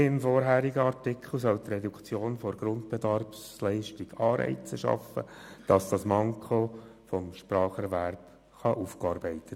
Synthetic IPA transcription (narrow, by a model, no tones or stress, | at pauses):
ɪmfɔɾɦæːɾiɡəɑrtɪkχl̩ˠsɔlt̪rɛdukt͡sjoːnfoɾɡ̥ɾʊntb̥ɛdɑrpslɛɪʃtɪɡ̥ɑːɾɛ̰ɪt͡səʃɑ̰fə̰d̥ɑsd̥ɑsmɑŋkχofɔmʃpɾɑːχɛɾʋæɾp | χɑʔufkɑːɾbɛɪt̪ət